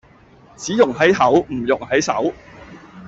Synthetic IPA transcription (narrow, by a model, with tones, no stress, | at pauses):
t͡siː˨˥jʊ˨˩ŋɦɐ˨˥jɦɐ˨˥wm̩˨˩jʊ˨˩ŋhɐ˨˥jsɐ̰˨˥w